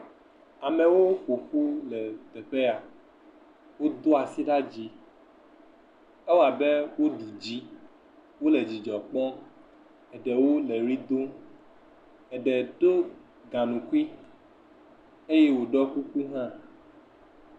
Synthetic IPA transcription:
a˨mɛ̃˨wo˦ɸo˨ɸu˦lɛ˨t̪ɛ˨ɸɛ˦a˨ | wo˦d̪o˦a˨si˦ɖa˦d͡ʒi˨ | ɛ˦wa˨bɛ˦wo˦ɖu˨d͡ʒi˨˦ | wo˦lɛ˨d͡ʒi˨d͡ʒɔ˨k͡pɔ̃˦ | ɛ˨ɖɛ˨wo˦lɛ˨ɾi˦d̪o˦ | ɛ˨ɖɛ˨ɖo˦ | ɡã˨nũ˨kwi˦ | e˦je˦wo˨ɖɔ˦ku˦ku˦ɦã˦˨

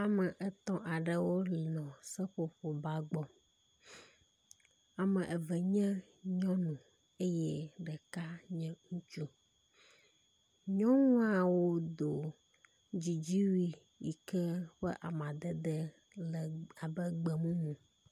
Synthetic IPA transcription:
a˨mɛ˨ʔɛ˦t̪ɔ̃˦ʔa˨ɖɛ˨wo˦li˨nɔ̃˨sɛ˦ɸo˦ɸo˨ba˦ɡ͡bɔ˨ | a˨mɛ̃˨ʔɛ˨vɛ˨ɲɛ̃˦ | ɲɔ̃˦nũ˨ | e˦jɛ˦ɖɛ˨ka˦ɲɛ̃˦ŋũ˦t͡ʃu˦ | ɲɔ̃˦ŋũ˦a˨wo˦d̪o˨ | d͡ʑi˨d͡ʑi˦wi˦ | ji˨kɛ˦ɸɛ˦ʔa˨mã˨d̪ɛ˨d̪ɛ˦ | lɛ˨a˨bɛ˦ɡ͡bɛ˨mũ˦nũ˨

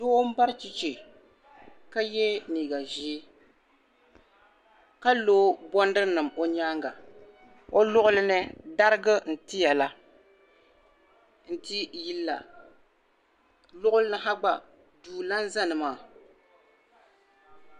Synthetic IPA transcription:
do˦m̩˦ba˦ɾt͡ʃi˦t͡ʃe˨ | ka˦jɛ˦niː˨ɡa˨ʒi˦ | ka˦loː˦bɔ˦ndɨ˦ɾnɨ˨mo˦ɲaː˦ŋɡa˨ | o˦lʊ˦ʔʊ˦lɨ˦nɨ˦da˦ɾɨ˦ɡɨ˦n̩˨tɪ˦ja˨la˦ | n̩˨ti˦ji˦lːa̰˨ | lʊ˦ʔʊ˦lɨ˦nɨ˨ɦa˦ɡ͡ba˨ | duː˨la˦n˦za˦nɨ˨maː˦˨

